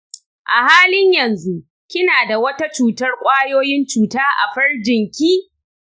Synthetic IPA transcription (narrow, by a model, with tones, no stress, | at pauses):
ʔa˨haː˦lɪ˦ɲjɐ˨nzu˦ʔ | kʲɪ˦naː˨da˨wɐ˦ta˦t͡ʃuː˨tɐ˦rkʷʼaː˦joː˦jɪ˦nt͡ʃuː˨taː˦ʔa̰˨ɸɐ˦rd͡ʒɪ˨ŋkʲiː˦